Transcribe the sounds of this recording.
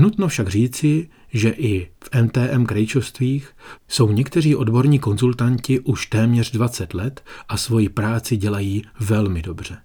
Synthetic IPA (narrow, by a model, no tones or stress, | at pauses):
nut̪nofʃaɡr̝iːt͡sɪ | ʒɛʔɪfʔɛmt̪ɛːʔɛmkɾɛjt͡ʃofst̪viːxso̞wɲɛkt̪ɛriːʔo̞dbo̞ɾɲiːko̞nzult̪aɲcɪʔuʃt̪ɛːmɲɛr̝dvat͡sɛt̪lɛt̪ʔasvo̞jɪpɾaːt͡sɪɟɛlajiːvɛlmɪdo̞br̝̥ɛ